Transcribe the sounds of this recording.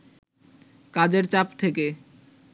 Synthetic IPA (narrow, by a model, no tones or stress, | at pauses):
kad͡ʑeɾt͡ɕapt̪ʰeke